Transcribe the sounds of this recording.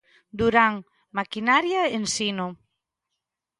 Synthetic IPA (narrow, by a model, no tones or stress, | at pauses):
d̪uɾaŋ | makinaɾjaensino